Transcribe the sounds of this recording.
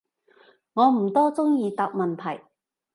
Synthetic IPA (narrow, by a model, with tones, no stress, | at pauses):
ŋɔː˨˧m̩˨˩t̪ɔː˥t͡sʊ˥ŋjiː˧t̪a˨k̚mɐ˨nt̪ʰɐ˨˩j